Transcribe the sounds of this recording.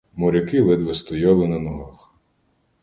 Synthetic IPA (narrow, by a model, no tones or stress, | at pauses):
mʊɾʲɐkɪʋɪd̪ʋɛst̪ɔjɑlˠɪnɐnɔɦɑx